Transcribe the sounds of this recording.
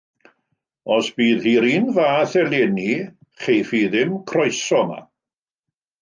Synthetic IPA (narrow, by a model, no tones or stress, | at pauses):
ɔsb̥iːðhiːɾiːnvaːθɛlˠɛni | χejfiðɪmkʰrɔjsɔma̰